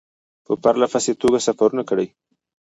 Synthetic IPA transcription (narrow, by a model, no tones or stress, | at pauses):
pəpaɾlafaset̪oɡasafaɾunakəɽəj